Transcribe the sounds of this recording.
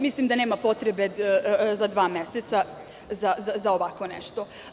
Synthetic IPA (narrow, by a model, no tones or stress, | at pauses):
mislimd̪aneːmapo̞t̪ɾebe̞zad̪ʋaːmjeset̪sa | zazazaoʋakonḛʃt̪o̞